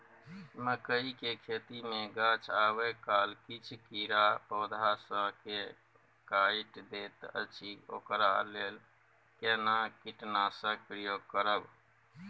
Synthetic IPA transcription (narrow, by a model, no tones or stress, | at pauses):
məkəikekʰet̪imeɡãt͡ʃʰawekalkit͡ʃʰkiɾapɔd̪ʱasə̃ke | kaiʈd̪et̪ə̰t͡ʃʰio̰kɾa̰lel | kenakiʈnasə̃kpɾijoɡ̚kəɾəb